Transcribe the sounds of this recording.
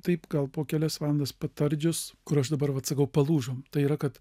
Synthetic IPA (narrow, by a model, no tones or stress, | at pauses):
t̪ɐɪpɡɐlˠpoːkʲæːlʲɛsʋɑːlˠɐnd̪ɐspɐt̪ɐɾʲd͡ʒʲʊskʊɾɐʃd̪ɐbɐɾʋɐt̪sɐkɐʊpɐlˠuːʒoːmt̪ɐɪiɾɐkɐt̪